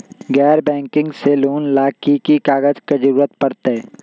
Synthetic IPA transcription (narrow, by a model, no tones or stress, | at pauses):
ɡɛːɾbɛ̃ːŋkɪ̃ŋɡseloːnlaːkikikaːɡəd͡ʒked͡ʒəɾuːɾət̪pəɾt̪e